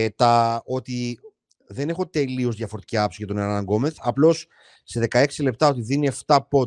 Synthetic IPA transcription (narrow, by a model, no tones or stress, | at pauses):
t̪ɐo̞t̪i | ðe̞ne̞xo̞t̪e̞lio̞zðʝɐfoɾt̪i̥ciɐpsiʝɐt̪o̞neɾɐɐŋɡo̞meθɐplo̞sː | e̞ðe̞kɐe̞ksile̞p̚t̪ɐo̞t̪iðinie̞ft̪ɐpo̞